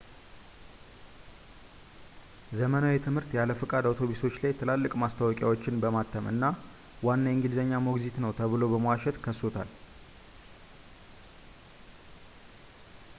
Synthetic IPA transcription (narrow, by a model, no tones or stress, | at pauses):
zəmənawit̪ʰɨmhɨɾt̪jaləfɨkʼad̪awt̪ʰo̞βiso̞t͡ʃːlajt̪ʰɨlalːɨkʼmast̪ʰawɔkʼja̰wot͡ʃːɪnbəmat̪ʰːəmʔɨ̰nːa | wanːajɪŋɡilzəɲːamoɡzit̪nəwt̪ʰəβɨlo̞bəməwaʃɛt̪kʰəsot̪ʰa̰l